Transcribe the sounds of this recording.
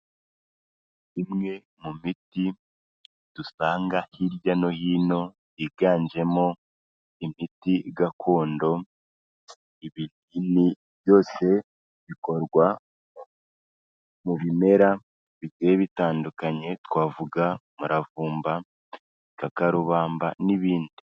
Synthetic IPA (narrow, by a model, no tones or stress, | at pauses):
imŋe̞ | mumiti | d̥usaːŋɡahiɾɟano̞hiːno̞ | iɡaːɲd͡ʒe̞mo̞ | imitiɡakʰo̞ːndo̞ | iβil | ini | βjo̞ːse̞ | βiko̞ɾɡwa | muβime̞ɾa | βiɟeeβitaːndukaɲe̞twaːvuɡamuɾavuːmba | kakaɾuβaːmbaniβiːndi